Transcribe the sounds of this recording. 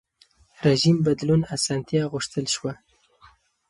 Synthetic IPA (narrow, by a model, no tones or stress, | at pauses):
ɾeʒimbad̪lunasɑnt̪jɑɣʊʂt̪əlʃwa